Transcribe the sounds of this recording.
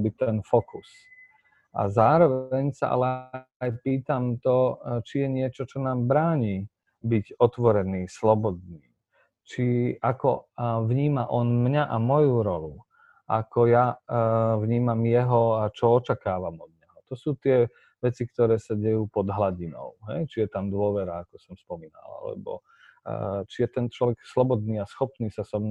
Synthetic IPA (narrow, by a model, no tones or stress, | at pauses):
bit̪ɛnfɔkus | ʔa̰zaːɾɔʋɛɲsa̰ʔa̰lɛajpiːt̪amt̪ɔt͡ʃijɛɲɪɛt͡ʃɔt͡ʃɔnaːmbɾaːɲiː | biɟɔt̪ʋɔɾɛniːslɔbɔd̪̚niː | t͡ʃiakɔʋɲiːmaʔɔnmɲaʔamɔjuɾɔlu | ʔa̰kɔja | ʋɲiːmamjɛɦɔat͡ʃɔɔt͡ʃakaːʋamɔd̪̚ɲɛɦɔt̪ɔsuːt̪ɪɛ | ʋɛt͡sikt̪ɔɾɛːsaɟɛjuːpɔd̪ɦlaɟinɔ̰ʊɦɛjt͡ʃijɛt̪amd̪ʊɔʋɛɾaːkɔsɔmspɔmiːna̰la̰lɛ̰bɔ̰ | t͡ʃijɛt̪ɛnt͡ʃlɔʋɛkslɔbɔd̪niːasxɔpniːsasɔmɲ